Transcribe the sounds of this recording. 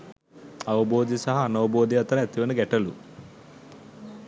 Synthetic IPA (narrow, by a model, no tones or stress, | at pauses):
ɐʋɐboːd̪isɐɦɐːnɐʋɐboːd̪ʱiʋɐt̪ɾɐet̪ːiʋɐnuɡɛʈːɐlu